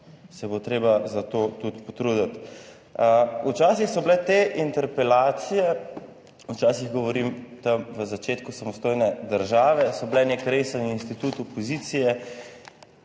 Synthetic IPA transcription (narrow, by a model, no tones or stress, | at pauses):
sɛbot̪ɾeːbazat̪ot̪ut̪pɔt̪ɾud̪at̪ | əut͡ʃaːsixsɔblɛt̪eʔint̪ɛɾpɛlaːt̪sijɛ | ut͡ʃaːsiɣɡɔʋɔɾimt̪ɐmʋəzat͡ʃeːt̪kusamɔst̪ojnɛd̪əɾʒaːʋɛsɔblɛnekɾejsaniinst̪it̪uːt̪ɔpɔziːt̪sijɛ